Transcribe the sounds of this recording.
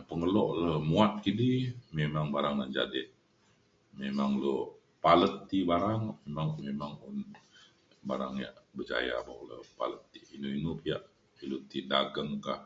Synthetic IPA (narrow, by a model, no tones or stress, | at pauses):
pəŋəlɔʔləhmuat̪̚kidimemaŋbaɾaŋnad͡ʒa̰dɪʔ | memaŋlo | palət̪ːibaɾaŋmemaŋmemaŋʊn | ba̰ɾa̰ŋja̰ʔbəd͡ʒa̰ja̰ba̰ʔlə̰pa̰lət̪ːiʔinuinupiaʔ | ilut̪idaɡəŋkah